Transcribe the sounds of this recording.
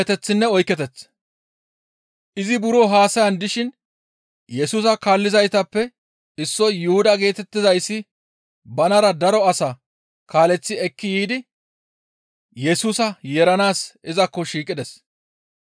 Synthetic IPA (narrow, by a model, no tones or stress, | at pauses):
ɛt̪ɛt͡sːɪnːɛɔjkːɛt̪ɛt͡sː | ʔɪzɪbʊɾoɦaːsɐjɐnd̪ɪʃɪn | jɛsuːsɐkaːlːɪzɐjt̪ɐpːɛ | ɪsːɔjʊhʊd̪ɐɡe̞ːt̪ɛt̪ːɪzɐjsːɪ | bɐnɐɾɐd̪ɐɾɔɐsɐ | kaːlɛt͡sːɪɛkːɪjiːd̪ɪ | jɛsuːsɐjɛɾɐnaːsɪzɐkːɔʃiːkʼɪd̪ɛs